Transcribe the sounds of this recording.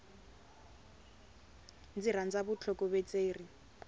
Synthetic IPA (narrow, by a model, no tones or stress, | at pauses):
nd͡zirand͡zabʊt͡ɬʰɔkʼɔβɛt͡sʼeːri